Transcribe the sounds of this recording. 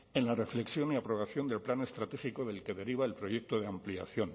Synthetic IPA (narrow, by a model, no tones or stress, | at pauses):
e̞nlare̞fle̞ksjo̞niapɾo̞βaθjo̞nd̪elplane̞st̪ɾat̪e̞xiko̞ðe̞lke̞ðe̞ɾiβ̞ae̞lpɾo̞je̞k̚t̪o̞ð̞eamplia̰θjo̞n